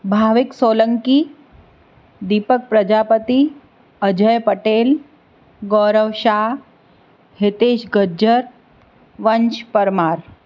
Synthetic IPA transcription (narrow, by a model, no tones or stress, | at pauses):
bʱaːʋɪksoːləŋki | d̪iːpək̚pɾɐd͡ʒaːpət̪i | əd͡ʒəjpəʈeːl | ɡɔːɾəʋʃaː | hɪt̪eːʃɡəd͡ʒəɾ | ʋɐnt͡ʃpɐɾmaːɾ